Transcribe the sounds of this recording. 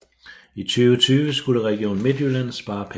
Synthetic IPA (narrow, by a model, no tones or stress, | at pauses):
it͡sʰyːʊət͡sʰyːʋəsɡ̥uləʁɛɡ̥jo̰ːnme̝d̥jyɐlæn̰ð̩ˠsb̥ɑ̈ːpʰ